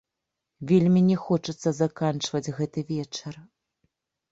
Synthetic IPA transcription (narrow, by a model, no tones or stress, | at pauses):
vʲelʲmʲinʲɛxɔt͡ʂɨt̪sːɐzakant͡ʂvɐd͡zʲɣɛt̪ɨvʲɛt͡ʂɐr